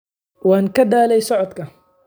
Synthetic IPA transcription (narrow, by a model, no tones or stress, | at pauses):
waːŋkɐd̪aːlɛjsɔʕɔd̪kʰɐ